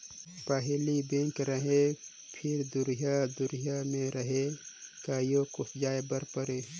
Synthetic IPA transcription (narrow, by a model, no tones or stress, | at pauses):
paːɦelibẽːŋkɾɐɦe | pʰɪɾd̪ʊɾijad̪ʊɾijamẽɾɐɦekaːjoːkʊfd͡ʒaːebɐɾpəɾeː